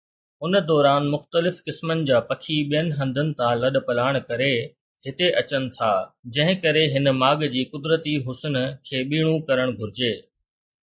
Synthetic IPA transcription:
ʊnə̆d̪ɔːɾaːnmʊxt̪əlɪfkɪsmənɪ̆d͡ʑaːpɐkʰiɓijənɪ̆ɦɐ̃nd̪ʱənɪ̆t̪ãlɐɗ̆pɐlaːɪɽ̃kɐɾe | ɦhɪt̪eʔɐt͡ɕənɪ̆t̪ʰaːd͡ʑɐ̃ɦɪ̃kɐɾeɦɪn̆maːɡd͡ʑiːkʊd̪ɾət̪iɦʊsnkʰeːɓiːɽ̃ũkɐɾəɽ̃ɡʱʊɾɪd͡ʑeː

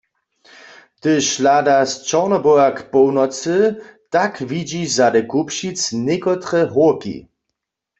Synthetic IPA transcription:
t̪ɨʃladast͡ʃɔʁnɔbɔjakpɔwnɔt͡sɨt̪akvid͡ʒizadɛkupʃit͡snekɔt̪ʁɛɦoʁkḭ

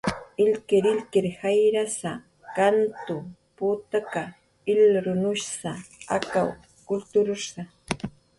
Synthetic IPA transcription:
ɪlkɪɾɪlkɪɾhajɾasa | kant̪ʊ | pʊːt̪aka | ɪlɾʊnʊʃsaa̰kaw | kʊlt̪ʊɾʊɾsa

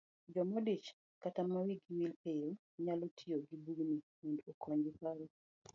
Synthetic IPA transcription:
d͡ʒɔmodit͡ʃ | katamawiɡiwilejo | ɲalotʰioɡibuɡnimondokʰɔɲd͡ʒɪpaɾɔ

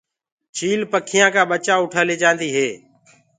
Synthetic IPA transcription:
t͡ʃʰiːlpəkʰɪjãːkãːɓət͡ʃaːʊʈʰaːleːd͡ʒãːnd̪iːɦeː

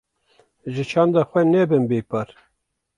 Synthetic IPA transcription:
ʒɨt͡ʃʰɑːnd̪ɑxʷɛnɛbɨnbeːpɑɾ

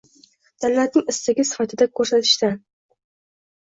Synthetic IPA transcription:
d̪̥allat̪nɪŋɪst̪aɡʲɪsɪ̥fat̪ʰɪd̪akʰɵɾsat̪ʰɪ̥ʃt̪ɪ

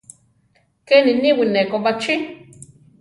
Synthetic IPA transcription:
keniniwinekoβat͡ʃi

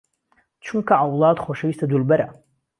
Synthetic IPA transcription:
t͡ʃʷʰɨmkʰaʕawladχʷwaʂaistʰadulbaɾa

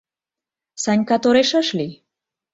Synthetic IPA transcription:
saɲʲkat̪oɾeʃəʃli

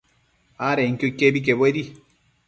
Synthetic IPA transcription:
aɾɛŋ̩koikebik̬eboedi

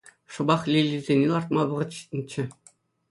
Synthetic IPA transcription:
ʂɤ̆bɑχlʲilʲːizʲenʲilˠɑrt̪mɑʋɤ̆ʁɤ̆t̪ɕi̥t̪ʲnʲit͡ɕːɘ̆

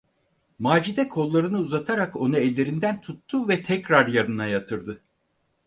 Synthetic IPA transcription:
maːd͡ʒid̪ɛkʰo̞lˠːaɾɯnɯuzat̪ʰaɾako̞naɛlʲːe̞ɾind̪ænt̪ʰut̪ʰːuvɛt̪ʰɛcɾaɾjaɾɯnajat̪ʰɯɾd̪ɯ

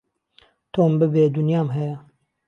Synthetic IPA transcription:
t̪ʰoːmbɨbeːd̪unjaːmɦɛjɛ

